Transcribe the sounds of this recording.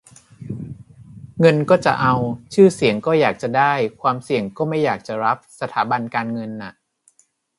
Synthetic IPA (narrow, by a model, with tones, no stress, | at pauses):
ŋɤ˧nkɔː˥˩t͡ɕa̰˨˩ʔa˧wt͡ɕʰɯː˥˩si˨˩˦əŋkɔː˥˩jaː˨˩k̚t͡ɕa˨˩daː˥˩jkʰwaː˧msi˨˩əŋkɔː˥˩ma˥˩jːaː˨˩k̚t͡ɕa˨˩ɾa˦˥p̚sa˧t̪ʰaː˩˦ba˧nkaː˧nŋɤ˧nːa˨˩ʔ